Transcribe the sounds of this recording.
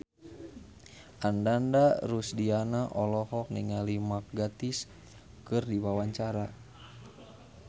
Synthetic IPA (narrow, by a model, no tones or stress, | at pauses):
ʔandandaɾusdianaʔɔlɔhɔk̚niŋalimak̚ɡat̪is | kɨrdiwawaɲt͡ʃaɾa